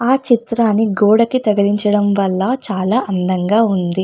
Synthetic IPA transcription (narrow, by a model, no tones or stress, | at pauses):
aːt͡ʃit̪ɾaːnːiɡɔːɽɐkit̪ɐɡɐliɲt͡ʃɐɽɐmʋɐlːɐt͡ʃaːlaːʔɐnd̪ɐŋɡaːund̪i